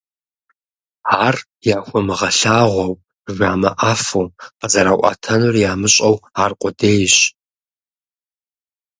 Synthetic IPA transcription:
aːr | jaːxʷɔmɨʁɐɬaːʁʷɔw | ʒʷaːmɐʔaːfowqəzɐɾaːʔʷʼɑ̰tʰɐnurjaːmɨɕʼɐwaːrqʷʼʊdeːjɕ

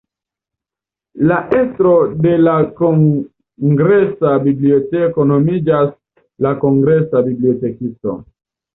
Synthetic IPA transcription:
laʔestɾo̞de̞lakoŋ | ɡɾe̞sabiblio̞te̞ko̞no̞mid͡ʒas | lako̞ŋɡɾe̞sabiblio̞te̞kisto̞̰

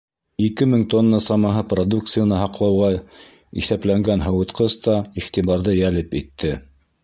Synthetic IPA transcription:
ikɘmɘŋt̪onːɑsɑmɑɦɤprod̪uk̚t̪sɨjanɑɦɑqlˠɑwʁɑ | ḭθæplæŋɡænɦɤ̆wɤ̆t̪qɤst̪ɑiχt̪iβɑɾðɤjælɘpit̪ːɘ

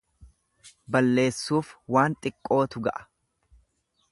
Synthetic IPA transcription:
bɐlːe̞ːsːuːfwaːnt̪ʼɪkʼːo̞ːt̪ʊɡɐ̰ʔɐ̥

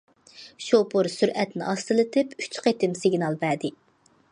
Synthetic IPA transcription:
ʃopʊɾsyɾʔɛt̪nɪʔɑst̪ɨlˠɨt̪ʰɪpy̥t͡ʃqet̪ɪmsɪɡʲnɑlˠbɛd̪ɪ

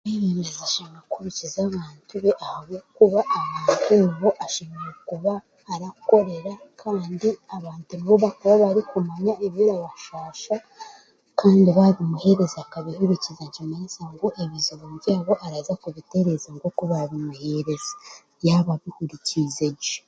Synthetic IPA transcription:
eɾeːndezaʃimɾakuβicizaβaːntuβeʔahaβokuβaʔːβaːntuniβo̞ʔaʃimoɾekuβaː | ɾako̞ɾe̞ɾakʰaːndiaβaːntuniβoβakuβaβaɾikumaɲaeβiɾaβaʃaːʃa | kaːndiβaβimuhe̞ɾe̞zaakaβihuɾicizaɲd͡ʒimaisaŋɡoʔeβizuβoβɟaːβo̞ʔaɾaːzakuβite̞ɾe̞zaŋɡokuβaβimuhe̞ɾe̞zḁ | jaβaβihuɾicize

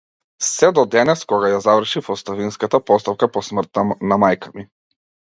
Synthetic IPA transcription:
sɛd̪ɔd̪ɛnɛskɔɡajazavr̩ʃifɔst̪avinskat̪apɔst̪afkapɔsmr̩t̪ːanamajkʰami

